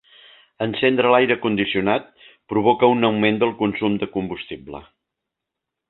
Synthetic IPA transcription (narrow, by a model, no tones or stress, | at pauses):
ənsend̪ɾəlajɾəkund̪isiunat̪̚pɾuβ̞okəunəwmend̪əlˠkunsumd̪əkumbust̪iblə̰